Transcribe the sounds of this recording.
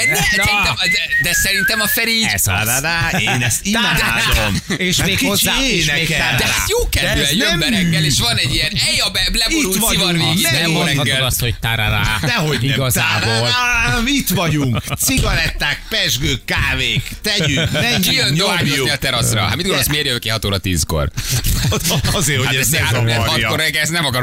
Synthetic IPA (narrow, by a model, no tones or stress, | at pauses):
sɛinɛd̪ɛd̪ɛsɛɾint̪ɛmɒfɛɾisdad̪aːeeːnɛst̪imaːdd̪om | eːʃaekiaenɛek̪aɾd̪ɛhajoːkɛɛøɛmɛɾɛkːɛeːʃʋɒnɛɟːijɛnɛjɒbɛblɛboiuʋɒneɛɛoɛɡshoct̪aɾada̰ɛɦo̞ɟiɡɒzaːboːlmit̪ʋɒɟuŋk̪ssiɡɒɾɛt̪ːaːkpɛʒɡøːkːaːveːkt̪ɛɟyk̪ɛijønoauiɒt̪ɛɾɒsrɒ̰ha̰mid̪ɡoosmeːɾjøøkeɒt̪oːɾɒt̪iːsko̰r | ɒzeːɾhoaɛɛoɛkoɾɛɡɛsnɛmɒkɒɾ